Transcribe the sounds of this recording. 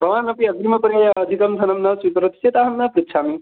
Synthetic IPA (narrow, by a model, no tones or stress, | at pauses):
bʱɐʋaːnɐpiɐɡɾimɐkəɾjajaːd̪ʱikɐmt̪ʰɐnɐmnɐsikɾot̪i̥set̪aɦɐmnapɾit̪t͡ʃʰami